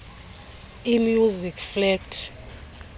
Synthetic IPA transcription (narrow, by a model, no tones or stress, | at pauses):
imjuzikflɛk̚tʰ